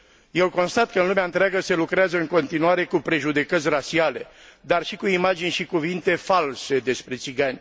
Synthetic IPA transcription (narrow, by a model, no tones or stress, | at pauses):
je̞wko̞nst̪at̪̚kəɨnlumeaɨnt̪ɾeaɡəse̞lukɾeazəɨŋko̞nt̪inuaɾe̞kupɾe̞ʒud̪e̞kət̪sʲrat͡ʃiale̞d̪arʃikuimad͡ʒinʲʃikuvint̪e̞false̞d̪e̞spɾe̞t̪siɡanʲ